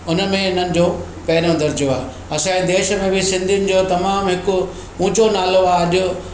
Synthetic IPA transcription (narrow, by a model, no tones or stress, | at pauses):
ʊnə̆mẽʊnənɪ̆d͡ʑoː | pɛːnõd̪ɐɾd͡ʑjoa̰ːɦe | ɐsãid̪eːʃə̆mẽbɪsɪ̃nd̪ʱijʊnɪ̆d͡ʑoːt̪ɐmaːmɦɪkʊ̆ | ũːt͡ɕonaːloaːɐʄʊ